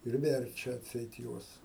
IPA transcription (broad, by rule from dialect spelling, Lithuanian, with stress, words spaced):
ɪr ˈʋʲɛrʲt͡ʃʲɛ ɐtʲˈsʲɛɪt ˈjuɔs